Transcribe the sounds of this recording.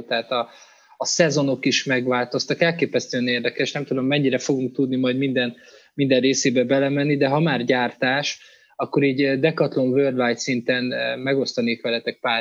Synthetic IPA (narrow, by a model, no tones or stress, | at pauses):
t̪ɛɦaːt̪ɒː | sɛzo̞no̞kiʃmɛɡʋaːlt̪o̞st̪ɒkɛlkeːpɛst̪øːneːrd̪ɛkɛʃnɛmt̪ud̪o̞mːɛɲːiɾɛfo̞ɡuŋk̚t̪ud̪nimɒjd̪mind̪ɛn | mind̪ɛrreːseːbɛbɛlɛmɛnːid̪ɛɦɒmaːrɟaːrt̪aːʃ | ɒkːo̞ɾiːɟd̪ɛkɒt̪lo̞ɱvøːrd̪vajt̪sint̪ɛnmɛɡo̞st̪ɒneːk̪ʋɛlɛt̪ɛk̚paː